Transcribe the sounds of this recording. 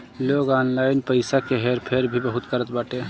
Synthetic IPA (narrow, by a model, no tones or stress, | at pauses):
loɡanlajinpəɪsakeɦeɾpʰeɾbʱibəɦut̪kəɾət̪̚baːʈe